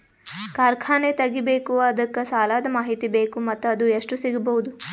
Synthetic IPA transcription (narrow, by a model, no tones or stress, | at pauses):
kaːɾkʰaːnet̪ɐɡibeːkuɐd̪ɐkːɐsaːlaːd̪ɐmaːɦit̪ibe̞ːkumɐt̪ːuɐd̪ueʂʈusiɡɐbɐɦud̪u